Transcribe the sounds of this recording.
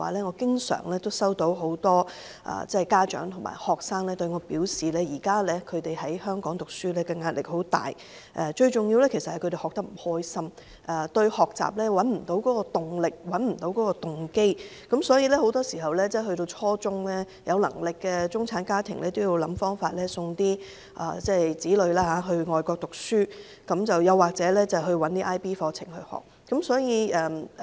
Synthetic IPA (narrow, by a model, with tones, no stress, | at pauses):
a̰ː˨˩lɛː˥ŋɔː˨˧kɪ˥ŋsœ̰ː˨˩ŋlɛː˥t̪o˥wsɐ˥wt̪o˨˥wɦo˨˥wt̪ɔː˥ | ʔɐ̰ː˨t͡sɛ˥˨kaː˥t͡ʃœ̰ː˨˥ŋt̪ʰʊ˨˩ma̰ː˨˩jhɔː˨k̚saː˥ŋlɛː˥t̪ɵ˧ɥŋɔː˨˧piː˨˥wsiː˨lɛː˥jiː˨˩kaː˥lɛː˥kʰɵ˨˧ɥt̪e˨jɦɐ˨˥jhœː˥ŋkɔː˨˥ŋt̪ʊ˨k̚syː˥lɛː˥kɛ˧ŋaː˧t̚lɪ̰˨k̚ho˨˥wt̪a̰ː˨j | ʔɛ˧˩t͡ʃɵ˧ɥt͡sʊ˨ŋji˧wlɛ˥kʰe˨˩sɐt̚hɐ˨jkʰɵ˧t̪e˨˩hɔ˨k̚t̪ɐ˥k̚m̩˨˩hɔː˥jsɐ˥m | ʔɛ˨˩t̪ɵ˧ɥhɔː˨k̚t͡sa̰ː˨˩p̚lɛː˥wɐ˨˥nm̩˨˩t̪o˨˥wkɔː˨˥kɔː˧t̪ʊ˨ŋlɪ˨k̚wɐ˨˥nm̩˨˩t̪o˨˥wkɔː˨˥kɔː˧t̪ʊ˨˩ŋke˥j | kɐ˨˥msɔː˨˥jiː˧lɛː˥ho˨˥wt̪ɔː˥siː˨˩ɦɐ˨wlɛː˥t͡sɛː˥˩hɵ˧t̪o˧wt͡sʰɔː˥t͡sʊ˥ŋlɛː˥ | jɐ˨˧wlɐ̰˨˩ŋlɪ˨kːɛː˧t͡sʊ˥ŋt͡sʰaː˨˥nkaː˥t̪ʰɪ˨˩ŋlɛː˥t̪o˥wji˧wlɐ˨˥mfɔː˥ŋfaː˧t̚lɛː˥sʊ˧ŋt̪iː˥ | ʔa̰ː˨˧t͡sɛː˥˩jt͡siː˨˥lɵ˨˧ɥlaː˥ɦaː˨˥ɦɵ˧ɥŋɔː˨jkɔː˧k̚t̪ʊ˨k̚syː˥ | kɐ˨˥mt͡sɐ˨wjɐ˨˧wːaː˨k̚t͡sɛː˨˥lɛː˥t͡sɐ˨ɦɵ˧ɥwɐ˨˦nt̪iː˥ʔaː˥jpiː˥fɔː˧t͡sʰɪ̰˨˩ŋhɵ˧ɥhɔ̰ː˨˩k̚ːɐ˨˥msɔː˨˥jiː˨˧ɛ˨